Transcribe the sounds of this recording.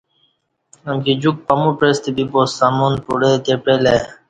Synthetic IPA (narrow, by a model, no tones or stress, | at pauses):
ɐmkid͡ʑuk̚pɐmupɾest̪ibibosamunpuɽet̪epɾele